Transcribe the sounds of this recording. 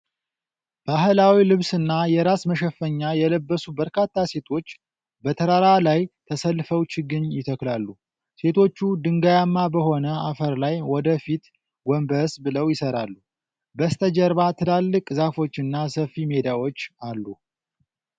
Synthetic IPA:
b̥aɦlawilɨβsɨnːajɛɾasməʃɛfːəɲːajɛləbːəsubəɾkat̪ːase̞t̪ʰo̞t͡ʃː | bət̪ʰəɾaɾalajt̪ʰəsəlːfəwt͡ʃɪɡɨɲjɪt̪ʰəklalːu | se̞t̪ʰo̞t͡ʃːud̪ɨŋɡajamːabəɦo̞nəafəɾlajwɔd̪əfit̪ | ɡʷɔmbəsbɨləwjɪsəɾalːu | bəst̪ʰəd͡ʒəɾβat̪ʰɨlalːɨkʼzafo̞t͡ʃːɨnːasəfːime̞d̪awo̞t͡ʃːalːu

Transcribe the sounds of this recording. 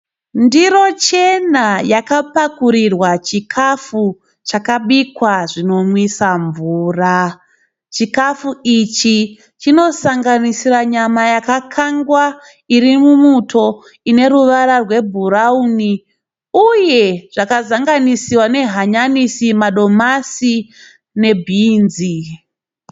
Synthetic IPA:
ndiro̞t͡ʃe̞najakapakuɾirwat͡ʃikʰafu | t͡ʃakaɓikwaʐino̞mwisaɱvuːra | t͡ʃikafuit͡ʃi | t͡ʃino̞saŋɡanisiraɲamajakakʰaŋɡwa | iɾimumutʰo̞ | ine̞ɾuʋaɾarwe̞bʱuɾauni | uje̞ʐ̥akazaŋɡanisiwane̞ɦaɲanisimaɗo̞masi | ne̞bʱiːnzi

